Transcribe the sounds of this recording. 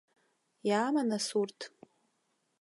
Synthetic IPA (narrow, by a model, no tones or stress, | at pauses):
jaːmanasurtʰ